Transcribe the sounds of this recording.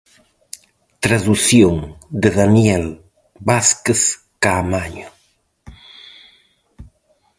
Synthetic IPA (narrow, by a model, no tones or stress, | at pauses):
t̪ɾaðuθjoŋd̪eðanjɛl | βaskes | kamaɲʊ